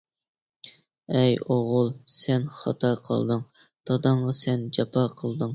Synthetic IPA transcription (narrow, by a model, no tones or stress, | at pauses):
ɛjoʁʊlˠsɛnχɑ̰t̪ʰɑɾqʰə̰lˠd̪ɨŋ | t̪ɑd̪ɑɴʁɑsɛnd͡ʒɑpʰɑqʰəlˠd̪ɨŋ